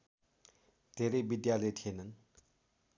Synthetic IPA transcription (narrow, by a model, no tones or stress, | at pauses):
d̪̥ʱeɾʌjbid̪jalet̪ʰienʌn